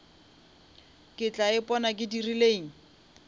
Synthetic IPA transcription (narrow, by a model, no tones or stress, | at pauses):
kʼɪt͡ɬaɪpɔnakʼɪdirileːŋ̩